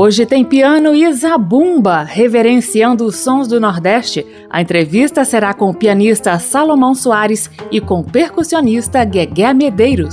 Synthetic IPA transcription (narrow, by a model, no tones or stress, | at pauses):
oʒɪt̪ẽj̃piɐ̃nʊizabũbɐheveɾẽsiɐ̃nd̪ʊːsːõzd̪ʊnoɾd̪ɛst͡ʃɪ | ɐ̰ẽnt̪ɾevist̪ɐseɾakõʊpiɐnist̪ɐsalomɐ̃w̃suaɾɪsɪkõʊpeɾkusionist̪ɐɡeɡɛmed̪ejɾʊs